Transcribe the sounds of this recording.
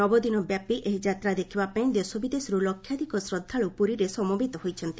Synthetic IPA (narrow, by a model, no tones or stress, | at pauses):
ɔbɔd̪inɔbjapiʔeɦid͡ʒat̪ɾad̪ekʰibapaĩd̪esobid̪esɾulɔkʰːjad̪ʱikɔsɾɔd̪ʱːaɭupuɾiɾesɔmobʱit̪ɔɦojt͡ʃʰɔnt̪i